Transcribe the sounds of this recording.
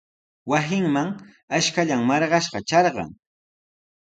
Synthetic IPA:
wasɪŋmaŋ | aʃkaʎaŋmɑɾɢɑʃɢɑt͡ʃɑɾɢɑ̰ŋ

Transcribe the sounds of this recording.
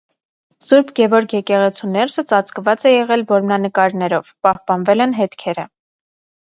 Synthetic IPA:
suɾbʰɡɛvɔɾkʰjɛkɛʁɛt͡sʰunɛɾsət͡sɑt͡skvɑt͡sɛjɛʁɛlvɔɾmnɑnəkɑɾnɛɾɔvpɑhpɑnvɛlɛnɦɛt̪kʰɛɾə

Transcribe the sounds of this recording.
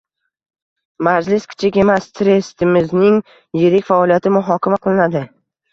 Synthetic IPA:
maɾd͡ʒlɪskʲʰɪ̥t͡ʃʰɪkʲe̞mast̪ʰɾe̞st̪ʰɪmɪznɪŋ | jeɾɪkʲfaɒlˠijat̪ʰɪmʊɦɒkʲamaqʰɨlˠɪnad̪ɪ

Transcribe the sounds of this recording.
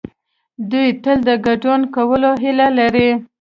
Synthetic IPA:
d̪ujt̪əld̪əɡaɖunkawəloɦɪlalaɾi

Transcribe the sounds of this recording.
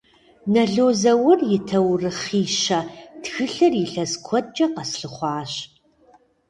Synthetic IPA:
nɐɮoːzɐwɐrjɪtʰɐwrɨχiːʃɐtxɨɬɐrjɪɬɐskʷʰɔt͡ʃʼɐqɐsɬɨχʷɑːɕ

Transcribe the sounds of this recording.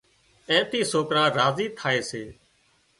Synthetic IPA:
ɛ̃ːt̪iːsoːkɾãːɾaːziːt̪ʰaːeːseː

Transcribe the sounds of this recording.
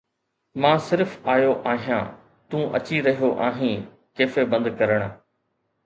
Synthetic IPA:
mãːsɪɾfaːjoʔaːɦijã̰ː | t̪ũːʔɐ̰t͡ɕiɾɐɦijoʔaːɦĩː | keːfebɐ̃nd̪kɐɾəɽ̃

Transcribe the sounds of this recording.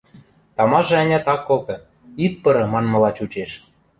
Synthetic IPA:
t̪ɑmɑʒɤ̆ɑnʲɑt̪ɑkːolt̪ɤ̆ | ippɤ̆ɾɤ̆mɑnmɤ̆lɑt͡ɕut͡ɕeʃ

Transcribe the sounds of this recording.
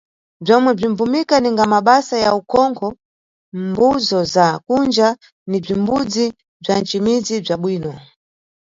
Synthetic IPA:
b͡ʐɔmwɛb͡ʐimvumikaniŋɡamaɓasajaukʰɔŋkʰɔ | mbuzɔzakund͡ʒa | nib͡ʐimbud͡zi | b͡ʐan̩t͡ʃimid͡zib͡ʐaɓwiːnɔ

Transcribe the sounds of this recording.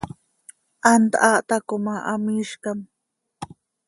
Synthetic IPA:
ant̪a̰ʔaʔt̪akomaʔamiʃkam

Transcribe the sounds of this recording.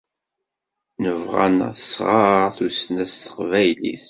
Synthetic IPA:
nəvʁa̰nsʁɑɾθusnæst̪ə̥qvæjlḭθ

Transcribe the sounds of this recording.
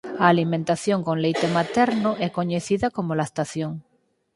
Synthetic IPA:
aːlimẽnt̪aθjoŋkoŋlejt̪emat̪ɛɾnoʔɛkoɲeθiðakomolaest̪aθjoŋ

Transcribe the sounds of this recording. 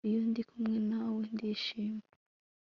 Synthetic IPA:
ijundikʰumŋenawendiʃiːme

